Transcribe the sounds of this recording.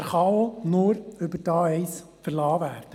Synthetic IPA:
ɾχɑonʊːɾɵbəɾd̥ɑːɛɪs | fəɾlɑːʋæːrd̥ə

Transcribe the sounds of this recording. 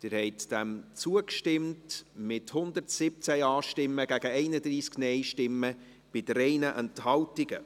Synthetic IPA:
d̥ɪɾhɛɪtd̥ɛmt͡suəkʃtɪmtmɪthʊnd̪əɾtsɪp̚t͡sæɑːʃtɪmːəɡ̥æɡ̥əɛɪnəd̪ɾiːsknɛɪʃtɪmːə | b̥ɪdɾɛɪnəʔɛnthɑltɪɡə

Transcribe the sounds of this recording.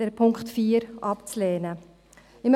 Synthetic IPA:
ɛɾpʰʊŋkχtfiːəɾʔɑpt͡slɛːnə | ɪm

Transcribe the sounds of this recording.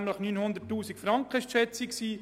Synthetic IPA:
mləχnynhʊnd̪ərtːuːsikfɾɑŋkχəɪʃtʃɛt͡siksiː

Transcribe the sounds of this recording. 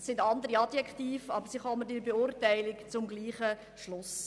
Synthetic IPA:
sɪndɑnd̪əɾiɑd̥̪jɛkχt̪iːfɑbəɾsiχɔmədɪɾbeʊɾtæɪlɪkt͡sʊmɡliːχə | ʃlʊs

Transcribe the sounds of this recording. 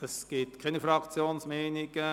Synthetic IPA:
əsɡ̥ɪtkʰɛnifɾɑkt͡sjoːnsmɛɪnɪɡ̥ə

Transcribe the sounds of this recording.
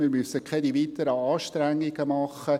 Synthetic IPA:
mɪɾmysːəkʰɛdiʋiːt̪əɾəɑːʃtɾæŋːiɡəmɑχːə

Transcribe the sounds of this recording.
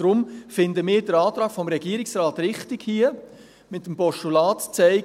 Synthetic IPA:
ɾʊmfɪndəmɪːɾd̥əɾɑːtɾɑːɡ̥fɔmɾɛɡiːɾɪksrɑːtɾɪχtɪɡhiə | mɪtːəmpɔʃtulɑːtt͡sɛɪ

